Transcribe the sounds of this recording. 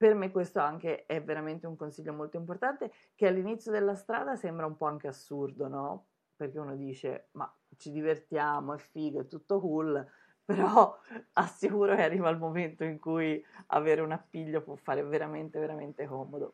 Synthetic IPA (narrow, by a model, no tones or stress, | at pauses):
permekːwest̪oaŋk̟eɛvːeɾament̪euŋkonsiʎːomolt̪oimport̪ant̪e | k̟ealːinit̪sːjod̪elːast̪ɾa̰ːd̪asɛmbɾaumpɔaŋk̟easːurd̪onɔ | perk̟eunod̪iːt͡ʃḛma̰ | t͡ʃid̪ivert̪jaːmoɛfiːɡoɛt̪ːut̪ːokul | peɾɔasːikuːɾokearːiːvaːlmoment̪oiŋkuja̰veːɾeunapːiʎːopwɔfːaːɾeveɾament̪eveɾament̪ekɔːmod̪o